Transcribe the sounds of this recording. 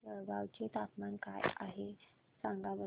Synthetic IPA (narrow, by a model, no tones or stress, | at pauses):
əbawt͡ɕet̪at̪manka̰ja̰ɦe | sãŋɡaʋə